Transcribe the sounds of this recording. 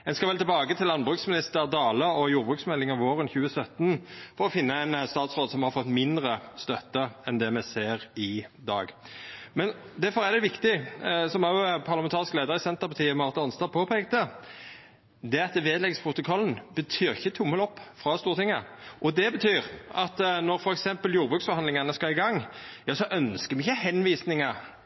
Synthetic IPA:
ɛnskɑʋɛlt̪ɪbɑːɡət̪ʰɪlːɑnbʁʉːksmɪnɪst̪əɾd̪ɑːləɔjuːɾbʁʉːksmɛlːɪŋɑʋoːʁənçʉːəsœt̪nfɔɾʁɔfɪnːəɛnst̪ɑːt̪sʁoːd̪sɔmhɑɾfɔt̪ːmɪnd̪ʁəst̪œt̪ːəɛnd̪ɛmɛseːʁɪd̪ɑ̰ːɡ | mɛnd̪æɾfɔʁæd̪ɛʋɪkt̪ɪsɔmɑʊpʰɑʁlmɛnt̪ɑːʁɪskleːd̪əɾɪsɛnt̪əʁpɑt̪ʰiːɔmɑʁt̪ɑɑnst̪ɑːpʰoːpʰeːkt̪ə | d̪ɛɑt̪ʋeːd̪lɛɡspʰʁʊt̪ʊkʰɔlːn̩bət̪ʰyːɾɪçːət̪ʰʊmːəlɔpːfʁɑst̪uːʁət̪ɪŋːəʔɔd̪ɛbət̪ʰyːɾɑt̪nɔɾfɔɾɛksɛmpəljuːɾbʁʉksfɔʁɑnd̪lɪŋɑnəskɑɪɡɑŋjɑːsɔʔœnskəmɛɪçːəhɛnʋiːsnɪŋɑ

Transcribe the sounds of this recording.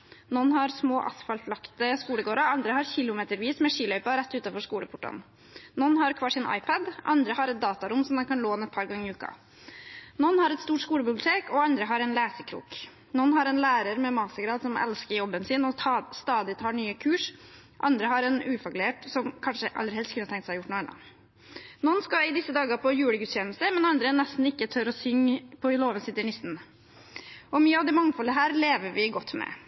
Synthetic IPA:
nɔnːhɑɾsmoːʔɑ̰sfɑlflɑkt̪əskuːləɡoːɾɑɑnd̪ɾəhɑɾçɪlʊmeːt̪əɾʋiːsmɛʂiːlœʏpɑɾɛt̪ːʉːt̪ɑnfɔʂkuːləpʰʊʈːɔ̰n | nɔnːhɑɾkʰʋɑːʂɪnʔɑ̰ɪpʰəd̪ʔɑ̰nd̪ɾəhɑɾɛt̪̚d̪ɑːt̪ɑɾʊmsɔmd̪ɛnkʰɑnloːɛnɛt̪̚pʰɑːɾɡɑŋːɪʉːkɑ̰ | nɔnːhɑɾɛt̪st̪uːʈskuːləbɪblʊt̪ʰeːkɔɑnd̪ɾəɦɑɾɛnlæːsəkʰɾṵːk | nɔnːhɑɾɛnlæːɾəɾmɛmɑsəɡɾɑːd̪sɔmɛ̰lskəɾjɔbːənsɪnɔst̪ɑːd̪ɪt̪ʰɑːɳyːəkʰʉːʂ | ʔɑ̰nd̪ɾəɦɑɾɛnʉːfɔkʉleːʈsɔmkʰɑnʂəʔɑ̰lːəɾhɛlt̪kʰʉnət̪ʰɛŋkt̪sæhɑɪjʊʈːnuːɛnɑ̰n | nɔnskɑɪd̪ɪsːəd̪ɑːɡəpʰɔjʉːləɡʉt̪sçɛːnəst̪əmɛnɑnd̪ɾənɛst̪n̩ɪkːət̪ʰœɾɔsʏŋːpʰɔloːʋənsɪt̪əɳɪsn̩ | ʔɔmyːəɑʋd̪ɛmɑŋfɔlːəɦæːɾleːʋəɾʋɪɡɔt̪ːmɛ̰

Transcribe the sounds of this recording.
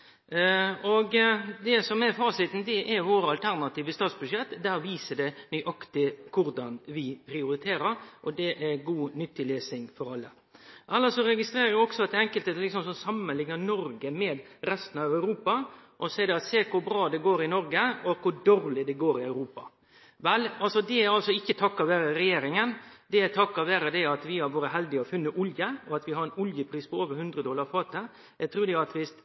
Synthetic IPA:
ɔɡd̪ɛsɔmɛɾfɑːsɪt̪n̩d̪ɛʔɛɾʋoːɾəɑlt̪ʰæɾnɑt̪iːʋəst̪ɑːt̪sbʉʂjɛt̪ːd̪æːɾʋiːsəd̪ɛnyːʔɑkt̪ɪkʰʊɾd̪ɑnʋɪpʰɾɪʊɾɪt̪ʰeːɾəɾʔɔd̪ɛʔɛɾɡuːnʏt̪ːɪleːsɪŋfɔɾɑlːə̰ | ʔɛlːəsɔɾɛɡɪst̪ɾeːɾəɾʋɪɔksɔɑt̪̚d̪ɛɛŋkəlt̪ət̪lɪksɔmsɔnsɑmːənlɪŋnənɔɾɡəmɛːd̪ɾɛst̪ən̩ɑʋæʉɾuːpɑʔɔsɛɪd̪ɛɑt̪seːkʰʊbɾɑːd̪ɛɡoːɾɪnɔɾɡəɔkʰʊd̪oːɾlɪd̪ɛɡoːɾɪœʉɾuːpɑ̰ | ʋɛlɑlsɔd̪ɛæɾɑlsɔɪçːət̪ʰɑkːɑʋæːɾəɾɛjeːɾɪŋənd̪ɛæt̪ʰɑkːɑʋæːɾəd̪ɛɑt̪ʋɪhɑɾʋoːɾəɦɛld̪ɪɔfʉnːəʔʊljəɔɑt̪ʋɪɦɑɾɛnʊljəpʰɾiːspʰɔoːʋəɾhʉnd̪ɾəd̪ɔːlɑɾfɑːt̪ə | jæt̪ʰɾuːd̪ɛɑt̪ʋɪs

